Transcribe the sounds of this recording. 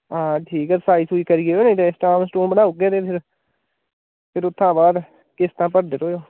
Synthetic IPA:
ãːʈʰiːkɛɾsaːisuiːkəɾiːeːonẽt̪eːsʈaːmsʈõːbənaːʊɡeːt̪eːpʰɪɾ | pʰɪɾʊt̪ʰːãːbaːd̪ | kɪst̪ãːpəɾd̪eːɾoːjoː

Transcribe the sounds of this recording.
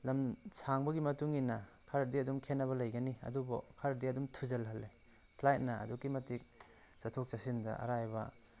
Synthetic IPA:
lɐmsaŋbɐɡimɐtuŋinɐkʰɐɾdiɐdumkʰenːɐβɐlɐjɡɐniɐ̰dubo̰kʰɐɾdiɐdumtʰuzɐlɦɐlːe | pʰlajt̚nɐɐ̰dukːimɐtik̚ | sɐtʰok̚t͡ʃɐsindɐ̰ʔɐ̰ɾajbɐ

